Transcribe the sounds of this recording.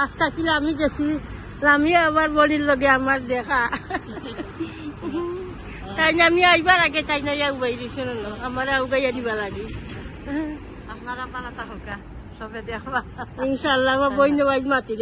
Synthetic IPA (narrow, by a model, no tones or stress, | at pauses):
ast̪akilaamiɡesi | lamiabaɾbɔɽillɔɡɛamaɾd̪ɛkʰa | t̪ajnamiajbalaɡɛt̪ajnajawbajɾisɔnɔnɔamaɾawɡajadiβalaɡi | apnaɾapalat̪akɔka | sɔbed̪ɛkʰbainʃalːaːmabɔjnɔbajzmat̪iɾ